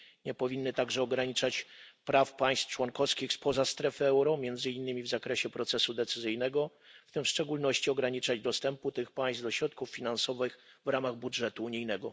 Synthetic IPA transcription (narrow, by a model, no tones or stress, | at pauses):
ɲɛpɔvʲinːɘt̪aɡʐɛɔɡɾaɲit͡ʂat͡ɕpɾafpaj̃st̪ft͡ʂwɔŋkɔfskʲixspɔzast̪ɾɛfɘɛwɾɔmʲjɛnd̪zɘinːɘmʲivzakɾɛɕɛpɾɔt̪sɛsud̪ɛt̪sɘzɘjnɛɡɔ | ft̪ɘmfʂt͡ʂɛɡulnɔɕt͡ɕiɔɡɾaɲit͡ʂad͡ʑd̪ɔst̪ɛmput̪ɘxpaj̃st̪d̪ɔɕɾɔt̪̚kufːʲinansɔvɘxvɾamaɣbudʐɛt̪uːɲijnɛɡɔ